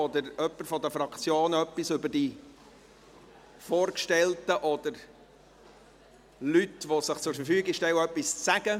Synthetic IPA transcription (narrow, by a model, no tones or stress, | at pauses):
ɔd̪əɾœpːəɾfɔd̪əfɾɑkt͡sjoːnœpːisʏbəɾd̥i | fɔːɾkʃtɛltəʔɔd̥̪əɾ | lyt̪ʋɔsɪχt͡sʊɾfəɾfyːɡɪʃtɛwœpːist͡sæɡ̥ə